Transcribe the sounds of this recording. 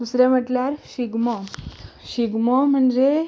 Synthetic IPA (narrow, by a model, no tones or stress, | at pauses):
d̪usɾɛməʈljaɾɕiɡmɔɕiɡmɔm̤əɳd͡ze